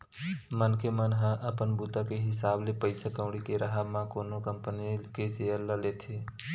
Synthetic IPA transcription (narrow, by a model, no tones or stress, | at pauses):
mənkʰemənɦãʔəpənbut̪akeɦɪsaːblepəɪsakə̃ʊɽikeɾəɦamãkoːnokəmpənikeseəɾləleːt̪ʰeː